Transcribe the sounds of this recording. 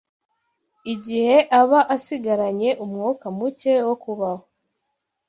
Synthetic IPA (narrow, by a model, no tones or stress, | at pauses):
iɟihe̞ʔaβaʔasiɡaɾaɲe̞ʔumŋokamuce̞wokuβaho